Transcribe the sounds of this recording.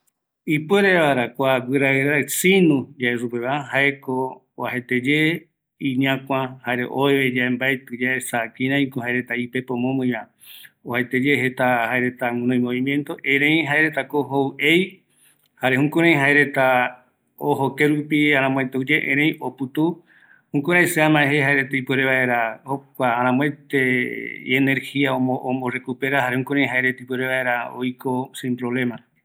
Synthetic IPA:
ipweɾeβaɾakʷaɡɨɾaɾasinũd͡ʒaeʐupeβaahaeko | ohet̪ed͡ʒe | iɲãkʷãhaeɾḛʔoeβed͡ʒaembaet̪ɨd͡ʒaesakĩɾãj̃kohaeɾe̞t̪aipe̞põmõmɨ̃jã | ohet̪ed͡ʒeɦet̪ahaeɾe̞t̪aŋ̃nõj̃mõβimjẽnt̪o̞ʔẽɾ̃ẽj̃ɦaeɾe̞t̪akoɦowʔej | haɾe̞hũkõɾ̃ãj̃ɦaeɾe̞t̪a | oɦokeɾupiãɾ̃ãmw̃et̪eud͡ʒeʔḛ̃ɾẽj̃oput̪u | hũkõɾajseãmãeɦeɦaeɾet̪eipeɾeβaeɾahokʷaaɾ̃ãmwet̪eeneɾhiaooomborekupeɾaɦaɾehũkoɾ̃ãj̃ɦaeɾet̪eipweɾeβaeɾao̰jkosĩmpɾoβlẽ̞mã

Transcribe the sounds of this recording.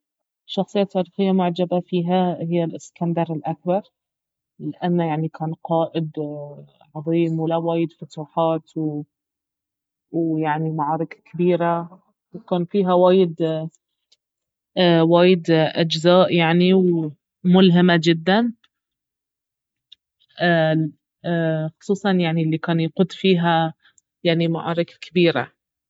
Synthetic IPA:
ʃːɑxsˤɨjːat̪ʰːɑːɾiːxɪjːamʊʕd͡ʒabafiːɦahɪjːalɪskand̪ɑɾˤɪlʔak̚bɑɾˤ | lɪʔanːajaʕnikaːnqɑːʔɪd̪ | ʕɑðˤiːmwɪlawaːjɪd̪fʊt̪uːħaːt̪w | wjaʕnimaʕɑːɾˤɪkakʰɪbiːɾa | wkaːnfiːɦawaːjɪd̪ | waːjɪd̪ʔad͡ʒzaːʔjaʕniw | mʊlɦɪmad͡ʒɪd̪ːan | xʊ̥sˤuːsˤɑnjaʕnilːikaːnjaqʊd̪fiːɦa | jaʕnima̰ʕɑ̰ːɾˤɪkakɪbiːɾa̰

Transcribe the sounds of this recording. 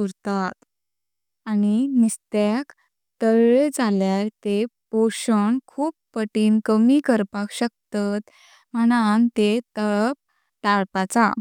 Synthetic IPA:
uɾt̪at̪ | aninist̪ak | t̪əɾɭed͡zaljaɾt̪epoɕəɳkʰuːppəʈiːnkəmikəɾpakɕək̚t̪at̪ | m̤əɽ̃ant̪et̪əɭp̚ | t̪aɭpat͡sa̰

